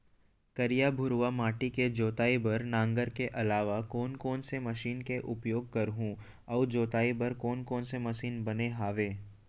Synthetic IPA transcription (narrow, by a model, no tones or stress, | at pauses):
kɐɾijabʱʊɾʋamaːʈiked͡ʒoːt̪aːibɐɾnãːŋɡəɾkeʔɐlaːʋakɔːnkɔːnsemɐʃiːnkeʔʊpjoːɡ̚kɐɾɦũ | ɔːd͡ʒoːt̪aːibɐɾkɔːnkɔːnsemɐʃiːnbɐneɦaːʋeː